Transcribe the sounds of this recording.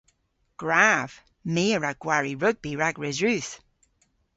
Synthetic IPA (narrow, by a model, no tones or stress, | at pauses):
ɡ̥ɹav̥ | miːəɹaɡ̚ɡ̥waɹiɹʊɡ̚biɹaɡɹɛzɹʉːθ